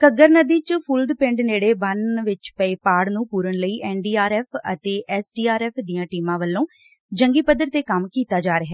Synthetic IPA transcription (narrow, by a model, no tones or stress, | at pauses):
kəɡəɾnəd̪iːt͡ʃpʰuːld̪pɪ̃ɳɖneːɽeːbənʋɪt͡ʃpəeːpaːɽnũːpuːɾənləiːʔɛːnɖiːaːɾɛːpʰə̰t̪eːʔɛːsɖiːaːɾɛːpʰd̪ijãːʈiːmãːʋəlːõː | d͡ʒəŋɡiːpəd̪əɾt̪eːkəmkiːt̪aːd͡ʒaːɾəɦɛː